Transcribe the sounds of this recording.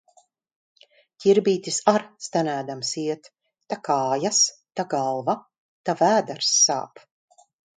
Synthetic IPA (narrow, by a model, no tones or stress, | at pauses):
cʲiɾbiːt̪ʲisaɾst̪anæːd̪amsiɛt̪ː | akaːjast̪aɡalˠva | t̪avæːd̪aɾsːa̰ːp